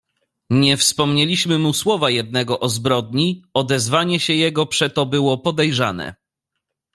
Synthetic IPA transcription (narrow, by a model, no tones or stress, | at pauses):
ɲɛfspɔmɲɛlʲiɕmɘmuswɔvajɛd̪̚nɛɡɔʔɔzbɾɔd̪̚ɲiɔd̪ɛzvaɲɛɕɛjɛɡɔpʂɛt̪ɔbɘwɔpɔd̪ɛjʐa̰nɛ̰